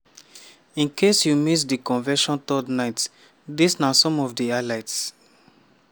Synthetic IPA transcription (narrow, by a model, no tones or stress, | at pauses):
ĩnkʰesjumis̬dikɔ̃nvɛʃɔ̃nt̪ɔdnaɪt | disnasɔ̃mɔvdialaɪts